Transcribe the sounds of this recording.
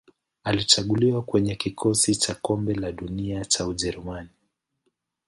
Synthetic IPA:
alit͡ʃaɠuliwakwɛɲɛkikʰɔsit͡ʃakɔmbɛlaɗuniat͡ʃauʄɛɾumani

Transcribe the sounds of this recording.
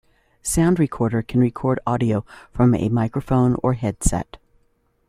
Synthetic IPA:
sãʊ̃ndɹikʰɔɹɾə˞kʰn̩ɹikʰɔɹɾɑɾioʊfɹʌ̃mɨ̰maɪkɹəfõʊ̃nə˞ɦɛd̥sɛ̰t̚

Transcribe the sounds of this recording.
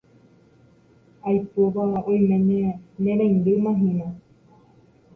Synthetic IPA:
ajpoʋaõjmẽmemẽɾẽŋɡemãɦĩã

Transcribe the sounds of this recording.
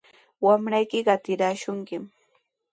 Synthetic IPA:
wamɾajkɪɢɑt̪ɪɾaːʃʊŋkɪm

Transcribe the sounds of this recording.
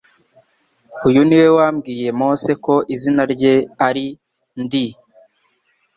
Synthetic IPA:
ujuniwe̞waːmɡiːje̞mo̞ːse̞ko̞ʔizinaɾɟe̞aɾi | ndi

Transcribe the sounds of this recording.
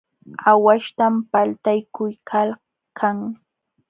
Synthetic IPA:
awaʃt̪ampalt̪ajkʊjkʰal | kʰaŋ

